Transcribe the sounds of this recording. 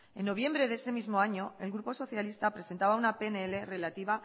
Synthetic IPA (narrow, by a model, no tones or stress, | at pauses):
e̞nːo̞β̞je̞mbɾe̞ðese̞mizmo̞aɲo̞e̞lɣɾupo̞so̞θjalist̪apɾese̞nt̪aβ̞aunapeneele̞re̞lat̪iβa